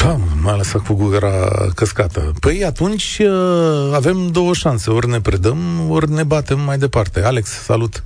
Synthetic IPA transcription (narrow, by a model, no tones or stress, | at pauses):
faməmaaləsakuɡuɡəɾa̰kəskat̪ə̰pəjat̪unt͡ʃʲəave̞md̪o̞wəʃanse̞o̞rne̞pɾed̪əmorne̞bat̪e̞mːajd̪e̞part̪e̞ale̞kssa̰lut̪